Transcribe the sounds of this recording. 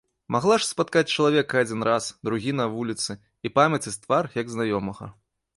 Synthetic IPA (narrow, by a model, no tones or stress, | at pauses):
maɣlˠaʂspat̪kat͡sʲt͡ʂɐlˠavʲɛkɐad͡zʲinɾasd̪ɾuɣʲinɐvulʲit̪sɨ | ipamʲɐt͡sʲɐt͡sʲt̪varjɐɡznajɔmɐɣɐ̰